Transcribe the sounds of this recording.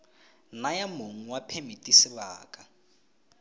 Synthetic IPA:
najamoŋ̩wapʰemitʼisɪβaːkʼa

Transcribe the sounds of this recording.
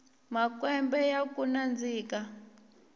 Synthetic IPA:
makwɛmbɛjakunand͡ziːka

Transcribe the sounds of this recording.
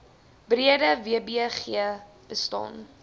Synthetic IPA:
briədəviəbiχiə | b̥əstɑ̰ːn

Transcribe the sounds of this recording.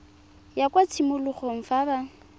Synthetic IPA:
jakʼwat͡sʰimʊlʊχɔŋ̩faba

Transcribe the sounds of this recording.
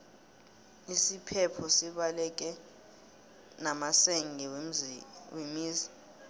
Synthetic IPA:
isipʰɛpʰɔsiɓalɛk̬ʼɛ | namasɛŋʱɛ | wemiːzi̥

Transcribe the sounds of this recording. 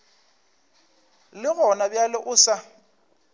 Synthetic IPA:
lɪɣɔnabjalɪʔʊsa

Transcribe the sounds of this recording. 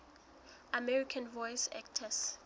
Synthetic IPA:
amɛɹikʰãnvɔjsɛ̰ktʰəs

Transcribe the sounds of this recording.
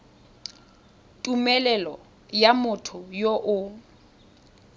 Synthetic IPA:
tʼumɛlɛlɔ | jamʊtʰʊjoʔʊ

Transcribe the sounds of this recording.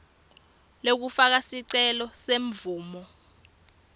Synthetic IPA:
lok̬ufak̬asiǀɛlɔseɱvuːmɔ

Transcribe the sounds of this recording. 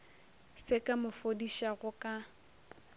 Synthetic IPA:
sɪkʼamʊfodiʃaɣʊkʼa

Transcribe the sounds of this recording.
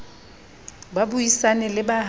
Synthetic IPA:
babuisanɛlɪbaɦ

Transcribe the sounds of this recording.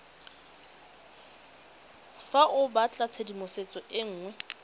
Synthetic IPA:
faʔʊbat͡ɬʼat͡sʰedimʊset͡sʼɔʔɪŋ̩ːŋwɛ

